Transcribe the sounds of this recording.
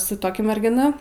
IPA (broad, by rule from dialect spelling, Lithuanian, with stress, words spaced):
sʊ ˈtoːkʲɛ mʲɛrʲɡʲɪˈnɐ